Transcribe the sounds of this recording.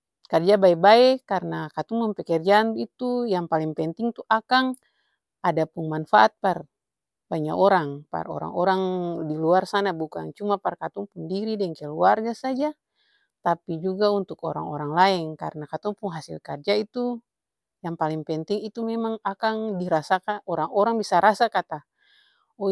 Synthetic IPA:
kard͡ʒabaɛbaɛkarnakat̪uŋpumpɛkɛrd͡ʒaːnit̪ujaŋpaliŋpɛnt̪iŋt̪uʔakaŋ | adapuŋmanfaat̪̚par | baɲakɔɾaŋpa̰rɔ̰ɾa̰ŋɔɾaŋdiluarsanabuka̰ŋt͡ʃumaparkat̪uŋpundiɾidɛŋkɛluarɡasad͡ʒa | t̪apid͡ʒuɡaunt̪ukɔ̰ɾa̰ŋɔɾaŋlaɛnka̰rnakat̪ɔŋpuŋɦasilkard͡ʒait̪u | jaŋpaliŋpɛnt̪iŋit̪umɛmaŋakaŋdiɾasakaɔɾaŋɔɾaŋbisaɾasakat̪a | ɔ

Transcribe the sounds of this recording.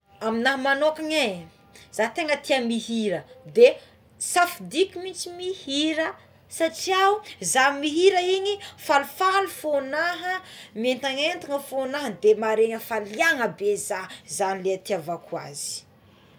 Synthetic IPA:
aminaɦəmanokaɲa | z̥at̪eŋət̪iamiɦiɾəd̪e | safud̪ikʲimit͡ʃimihiɾə | saʈ͡ʂiawuzamiɦiɾəiɲifalufalufonaɦəmient̪aŋent̪iŋəfonaɦəd̪emaɾeɲəfaliaŋəbezazanileat̪iavakua̰zi̥

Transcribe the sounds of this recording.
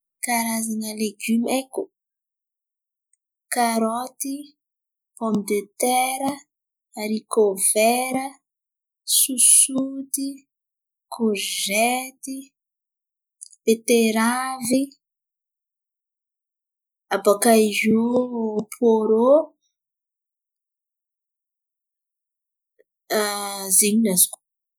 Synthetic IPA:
kaɾazinaleɡymɛku | kaɾɔt̪i | pɔmd̪et̪ɛɾaː | ɾikovɛɾa | susut̪i | kʰoʒɛt̪i | et̪eɾavi | abakaiʒupʰoɾo | ziɲinaz̥ku̥

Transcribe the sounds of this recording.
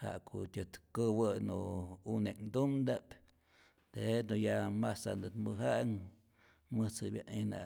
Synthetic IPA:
ha̰ʔkʰotʲɨt̪kɨwɨnuuned̪umd̪ap | t̪eed̪ojamasa̰nd̪ɨt̪mɨɦaŋ | mɨt͡sɨbʲjaʔina̰

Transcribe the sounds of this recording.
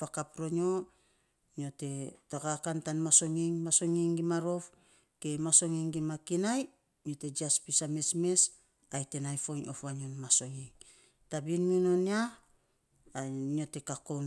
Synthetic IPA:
akapɾo̞ɲo̞ | nio̞te̞takakantanmaso̞ŋiŋmaso̞ŋiŋɡimaɾo̞f | ke̞maso̞ŋiŋɡimakinaj | no̞te̞d͡ʒiaspisame̞sme̞s | ajte̞najfo̞ŋo̰fβaɲonmaso̞ŋiŋ | tabinmino̞nia | nio̞te̞kako̞n

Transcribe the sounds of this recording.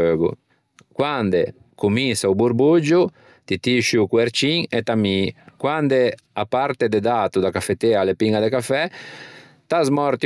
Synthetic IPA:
øːɡṵ | kwand̪e | kuminsaubuɾbud͡ʒu | t̪it̪iʃukweɾt͡ʃiŋet̪amikwand̪e | apaɾt̪ed̪ed̪at̪ud̪akafet̪ealepiŋɡad̪ekafɛ | t̪azmɔɾt̪i

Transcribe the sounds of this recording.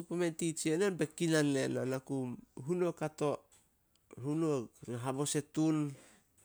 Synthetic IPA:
upementit͡ʃienenbekinanːenanakumɦunokato̞ | hunoaɦabo̞se̞tun

